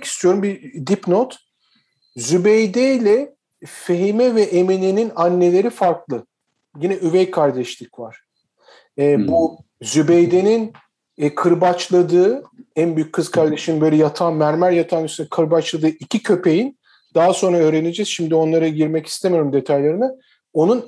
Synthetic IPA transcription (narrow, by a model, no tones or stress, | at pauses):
ki̥st̪ʰijo̞ɾumbid̪ipnot̪ | zybejd̪ejlʲɛ | feɦimɛvɛʔemeneninanːe̞lʲe̞ɾifaɾklˠɯ | jinɛʔyvɛjkʰaɾd̪ɛʃlʲicvaɾ̥ | ɛːbu | zybejd̪e̞nin | kʰɯɾbat͡ʃlˠad̪ɯːænbyjyc̚ʲkʰːɯz̥kʰaɾd̪eʃibø̞jlʲɛjat̪ʰanmæɾmæɾjat̪ʰanysnɛkʰɯɾbat͡ʃlˠad̪ɯːʔicʰicʰø̞pʰe̞jin | d̪̥aɦaso̞nɾaø̞ːɾe̞ne̞d͡ʒɛzʃimd̪io̞nlˠaɾaɟiɾmɛci̥st̪ʰemijo̞ɾumd̪e̞t̪ʰajlˠaɾɯna | o̞nun